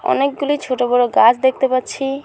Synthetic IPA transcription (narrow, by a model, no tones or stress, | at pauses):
ɔ̰nek̚ɡulit͡ɕʰoʈobɔɾoɡat͡ɕʰd̪ek̚ʰt̪epatːɕʰi